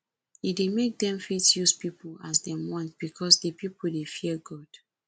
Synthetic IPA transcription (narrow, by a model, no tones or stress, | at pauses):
idemek̚dɛ̃mfitjuspipula̰s̬dɛ̃wɔ̃ntb̥ikʰɔsdepipl̩defiɛɡɔd̥